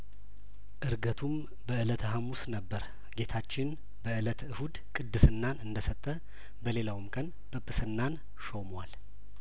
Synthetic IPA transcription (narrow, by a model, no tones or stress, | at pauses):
ʔɨɾɡət̪ʰum | bəɨlət̪ʰɦamusnəbːəɾ | ɡe̞t̪ʰat͡ʃːɪn | bəɨlət̪ɨhud̪kʼɨd̪ːɨsɨnːanɨnd̪əsət̪ʼːə | bəle̞lawmkʼən | bʼɨpʼːɨsɨnːan | ʃo̞mwal